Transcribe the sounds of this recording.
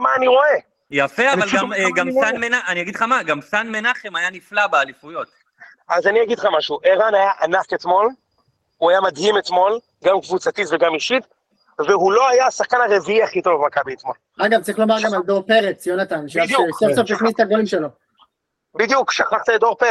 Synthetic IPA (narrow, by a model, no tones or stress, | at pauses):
maːniʁo̞e | jafeavalamɡamanmenaaniaɡid̪χamaɡamsanmenaχemajaniflabealifujo̞t̪ | azaniaɡidχamaʃuʔeʁanajaʔanaket̪mo̞l | uajamad̪himet̪mo̞l | ɡamkvut͡sat̪it̪veɡamiʃit̪ | veɦulo̞ajasaχkanaʁe̞viiaχit̪olvmakabiit̪ma | aɡavt͡saʁiχlo̞maʁɡamald̪oʁpe̞ʁet͡sjonat̪anʃed̪juksovsofiknist̪aɡolimʃelo | bid̪jukʃaχaχt̪aed̪o̞ʁpe